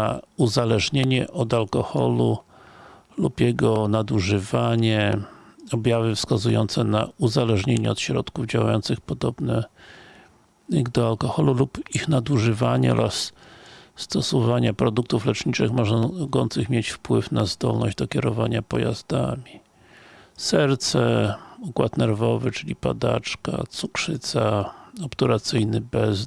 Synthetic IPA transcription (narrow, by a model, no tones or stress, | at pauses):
uzalɛʐɲeɲɛ̰ʔɔd̪alkɔxɔ̰lu | lupjɛɡɔnad̪uʐɘvaɲɛ | ɔbʲjavɘfskazujɔnt̪sɛna̰uzalɛʐɲeɲɛɔt̪ɕɾɔt̪kuvd͡ʑawajɔnt̪sɨxpɔd̪ɔbnɛ | d̪ɔalkɔxɔlulupixnad̪uʐɘvaɲɛ̰ɔ̰ɾas | st̪ɔsɔvaɲapɾɔd̪uk̚t̪uflɛt͡ʂɲit͡ʂɘxmɔʐɡɔnt̪sɨxmʲjet͡ɕfpwɘfnazd̪ɔlnɔ̰ʑd͡ʑd̪ɔkʲɛɾɔvaɲapɔja̰zd̪amʲi | sɛɾt̪sɛukwat̪nɛɾvɔvɛt͡ʂɘlʲipa̰d̪a̰t͡ʂka̰t̪sukʂɘt̪saɔpt̪ɔɾat̪sɘjnɘbɛz